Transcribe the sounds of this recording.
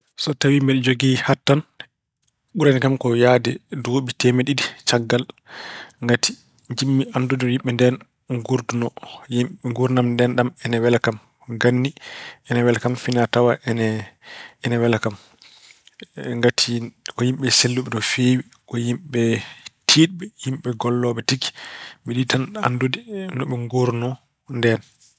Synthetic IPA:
sɔtawimbɛld͡ʒoɡihatːan | ɓuɾanikamkɔjaːdɛdoːɓitɛmeɗidit͡ʃaɡːal | ŋɡatʰi̥ | ɲd͡ʒimːiʔandudinɔjimɓɛndɛn | ŋɡuɾdunɔjimŋɡuɾnamndɛnɗamɛnɛwɛlakam | ɡanːiɛnɛwɛlakamfinatawaʔɛnɛ | ɛnɛwɛlakam | ŋɡatʰikɔjimɓɛselːuɓɛɗɔfeːwi | kɔjimɓɛtʰiːɗ̚ɓɛjimɓɛɡɔlːɔɓɛtiɡi̥ɓɛɗitana̰ndodinɔɓɛŋɡoɾnɔ | ndɛn

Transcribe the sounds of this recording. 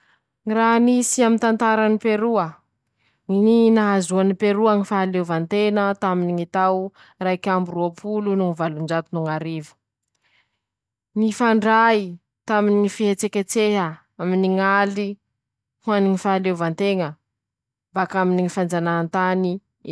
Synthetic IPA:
ŋiɾaɦnisiamint̪ant̪aɾanipeɾuə | ininaazuanipeɾuaŋifaalewvant̪enət̪aminiŋit̪aw | rajkʲamburuapʰulunuŋivalund͡ʒat̪unuŋaɾivu̥ | nifaɳɖ͡ʐai | t̪aminiŋifiɦet͡sekʲet͡seɦə | aminiŋali | huaniŋifaalevant̪eŋə | bakaminiŋifand͡zanaːnt̪ani

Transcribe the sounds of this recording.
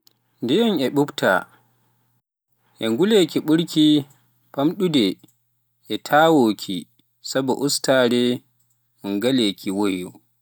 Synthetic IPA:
ndɛjɔnɛɓupta̰ | ʔɛŋɡulekiɓuɾki | pamɗudɛ | ʔɛtʰaːwoːkʰi | sabɔʔustaːdɛ | munɡalekʰiwojɔ

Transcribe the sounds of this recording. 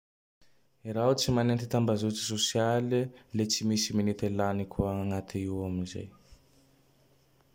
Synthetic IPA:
iɾaut͡simanent̪it̪ambazut͡si̥sosialilet͡simisiminit̪elanikʰuaaŋat̪ʰiiwaminzḛj

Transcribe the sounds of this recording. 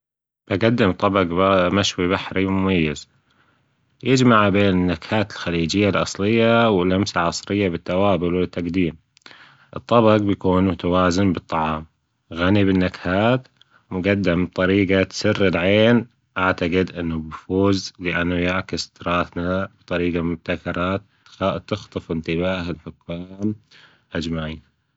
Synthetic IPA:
b̥aɡad̪ːɪmt̪ˤːɑbɑqmaʃwiβaħɾimʊmajːɪz̥ | jɪd͡ʒmaʕbeːnɪnːakhaːt̪ɪlxaliːd͡ʒɪjːalʔɑ̰sˤlɪjːawɪlʔamsaʕɑsˤɾɪjːabɪt̪ːawaːbʊlwɪt̪ːaqd̪iːm | ʔɨt̪ˤːɑbɑɡbjakuːnmʊt̪awaːzɪmbɨt̪ˤːɑʕɑːm | ɣanibɪnːakhaːt̪ | mʊɡad̪ːɪmb̚t̪ˤɑɾiːqat̪sɪrːɪlʕeːn | ʔaʕt̪aqɪd̪ʔɪnːubfuːzlɪʔanːujaʕkɪst̪ɾˤɑːθnab̥t̪ˤɑɾiːɡamʊb̚t̪akɑɾˤɑːt̪ | t̪ːɪxt̪ˤɨfɪnt̪ɪβaːhalħʊkːaːm | ʔad͡ʒmaʕiːn

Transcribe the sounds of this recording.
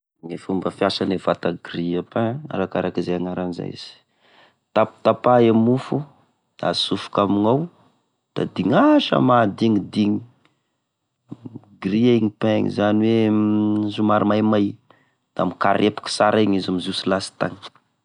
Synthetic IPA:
ŋefumbəfiasanevat̪aɡriapɛ̃a̰ɾakaɾakizeaŋaɾaniza̰ḭz̥i̥ | t̪apu̥t̪apaamufu | d̪̥a̰sufu̥kamiŋaw | d̪̥a̰d̪iŋaʃə̰mad̪iŋid̪iŋi | ɡriaiŋipɛ̃ŋḭzaniwe | zumaɾimajmaj | d̪̥amika̰ɾʔepu̥ki̥saɾaɲizamizusilasi̥t̪a̰ŋ

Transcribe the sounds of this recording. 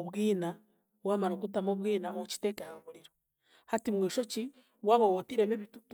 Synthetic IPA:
oβwiːna | βwamaɾokutamoβwiːnamot͡ʃi̥teːkejaβuɾiɾo | hatimwiːʃot͡ʃi | waβowotiɾemeβitut

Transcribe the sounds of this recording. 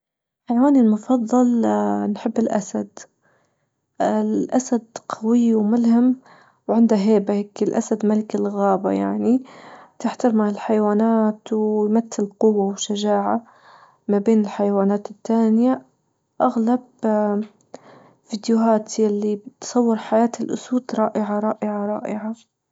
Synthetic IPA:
ħajwaːnɪlmʊfɑðˤːɑlnħɪbːɪlʔasad̪ | ɪlʔasad̪qʰɑwɪwmʊlham | wʕɪnd̪aɦeːbaheːkɪlʔa̰sad̪malɪkɪlɣaːba̰jaʕnit̪ɪħt̪ɑɾmaʕɪlħajwaːnaːt̪wjmat̪ːɪlqʊwːawʃaʒaːʕa | mabeːnɪlħajawaːnaːt̪ɪt̪ːaːnja | ʔaɣlab | fid̪jʊɦaːt̪jalːibɪt̪sˤɑwːɪɾħajaːt̪ɪlʔʊ̰suːd̪̥ɾˤɑːʔɪʕaɾˤɑːʔɪʕaɾˤɑ̰ːʔɪʕa

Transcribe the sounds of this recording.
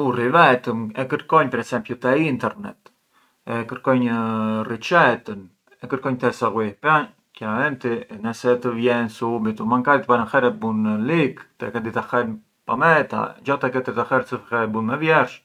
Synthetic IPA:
urivɛt̪əmɛkəɾkɔɲpəɾɛsɛmpjut̪ɛint̪ɛɾnɛ̰t̪ | ɛkəɾkɔɲərit͡ʃɛt̪ən | ɛkəɾkɔɲt̪ɛsaɣwipa | kanavɛnt̪inɛsɛt̪əvjɛnsumit̪umaŋkad̪it̪panəxɛɾɛbunlikt̪ɛ̰kɛd̪it̪axɛn | pa̰mɛt̪a̰d͡ʒat̪ɛkɛt̪it̪axɛɾsəfɛɛbunmɛvjɛɾʃ

